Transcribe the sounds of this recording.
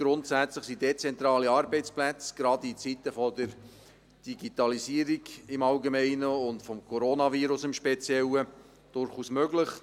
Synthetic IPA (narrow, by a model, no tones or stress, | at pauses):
ɡ̥ɾʊntsæt͡sləχsidet͡sɛnt̪ɾɑːliɑːɾbɛɪt͡splæt͡sɡ̥ɾɑdit͡sit̪əfɔdəɾ | d̥iɡit̪ɑlisiːəɾiɡɪmɑlɡemɛɪnəʊndfɔmkʰɔɾoːnɑviːɾʊsɪmʃpɛt͡sjɛlə | d̥ʊɾχuːsmøɡlɪχ